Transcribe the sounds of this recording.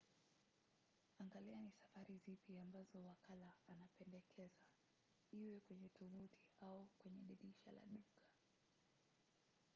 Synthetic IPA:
aŋɡalianisafaɾizipiambazɔwakalaːnapɛndɛkʰɛza | iwɛkwɛɲɛtuɓutʰiaukwɛɲɛɗiɗiʃala̰ɗukʰḁ

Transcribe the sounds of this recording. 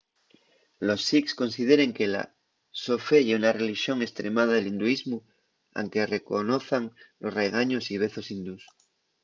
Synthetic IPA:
lo̞sːiksko̞nsið̞e̞ɾe̞ŋke̞la̰ | sofe̞ʝeunare̞liʃjo̞ŋe̞st̪ɾe̞maðaðelind̪uizmu | a̰ŋke̞re̞ko̞no̞θaŋlo̞sre̞ɣ̞aɲo̞siβ̞e̞θo̞sind̪us

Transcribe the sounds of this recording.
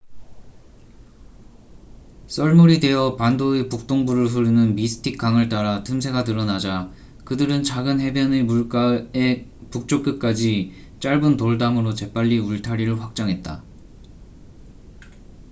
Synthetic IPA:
s͈ʌɭmuɾide̞jʌpandoepuk̚t͈oŋbuɾɯɭɸɯɾɯnɯnmisʰɯ̥tʰik͈aŋɯɭt͈aɾatʰɯmsʰe̞ɡatɯɾʌnad͡ʑa | kɯdɯɾɯnt͡ɕaɡɯnɦe̞bjʌnemuk͈aepuk̚t͡ɕ͈ok͈ɯk͈ad͡ʑi | t͡ɕ͈aɭbɯntoɭdamɯɾot͡ɕe̞p͈aʎːiuɭtʰaɾiɾɯɭɸwak̚t͡ɕ͈aŋɦe̞t̚t͈a

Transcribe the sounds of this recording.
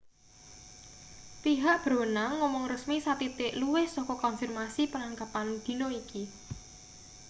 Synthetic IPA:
piɦaʔb̥ɾo̤naŋːɔmɔŋrəsmisat̪it̪ɪʔluwɪhsɔkɔkɔnfirmasipənaŋkapand̪̥i̤noiki

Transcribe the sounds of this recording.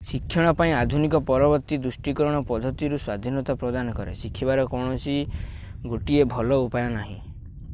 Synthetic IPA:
sikʰːjɔɽ̃ɔpaĩad̪ʱunikɔpɔɾɔbɔɾt̪id̪ɾusʈikɔɾɔɽ̃ɔpɔd̪ʱɔt̪iɾuswad̪ʱinɔt̪apɾɔd̪anɔkɔɾḛsikʰibaɾɔkɔwɽ̃ɔsi | ɡoʈiebʱɔlɔupajɔnaɦḭ̃

